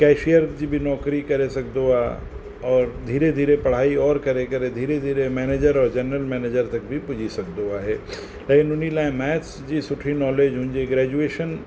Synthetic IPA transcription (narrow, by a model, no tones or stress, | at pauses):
kɛːʃijəɾd͡ʒibʱinɔːkɾikɐɾesɐk̚d̪oaː | ɔːɾd̪ʱiːɾed̪ʱiːɾepɐɽ̤aːiɔːɾkɐɾekɐɾed̪ʱiːɾed̪ʱiːɾemɛːneːd͡ʒəɾɔːɾd͡ʒɐnɾəlmɛːneːd͡ʒəɾt̪ɐk̚bʱipʊd͡ʒʱisɐk̚d̪oaːɦeː | leːkɪnʊnilaːẽmɛːt͡ʃsd͡ʑisʊʈʰinɔːled͡ʒɦʊ̃ːɲd͡ʒeɡɾɛːd͡ʒueːʃən